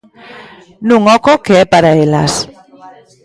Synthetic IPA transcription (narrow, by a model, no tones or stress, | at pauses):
nũŋɔkokeɛpaɾaela̰s